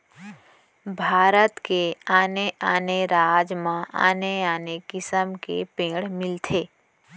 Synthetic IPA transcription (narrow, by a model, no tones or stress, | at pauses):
bʱaːɾət̪keaːneʔaːneɾaːd͡ʒmãʔa̰ːneaːnekɪsəmkḛpẽːɽmɪlt̪ʰeː